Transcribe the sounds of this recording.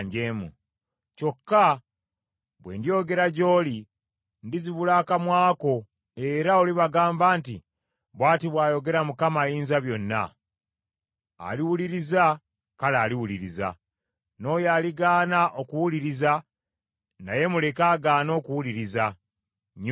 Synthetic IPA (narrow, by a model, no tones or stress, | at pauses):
ɲɟeːmṵ | co̞kːa | βwe̞̰ːndijo̞ɡe̞ɾaɟo̞ːli | ndiziβulaːkamwaːko̞ | e̞ɾaoliβaɡaːmbaːnti | βwaːtiβwaːjo̞ɡe̞ɾamukamajiːnzaβjo̞nːa̰ | liwuliɾiza | kalaːliwuliɾiza̰ | no̞ːjaːliɡaːnaʔo̞kuwuliɾiza | na̰je̞mule̞kaːɡaːno̞ːkuwuliɾiza | ɲ